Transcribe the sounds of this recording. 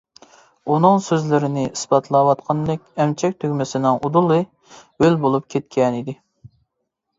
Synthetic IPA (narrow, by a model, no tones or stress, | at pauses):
unɨŋsøzlɪɾɪnɪʔisbɑt̪ʰlˠɑːwɑt̪qʰɑnlɪkʲɛmt͡ʃʰɛk̚ʲt̪ʰøɡʲmɪsɪnɪŋud̪ulˠɨ | ølbolˠup̚kʲʰet̪̚kʲʰɛnid̪ɪ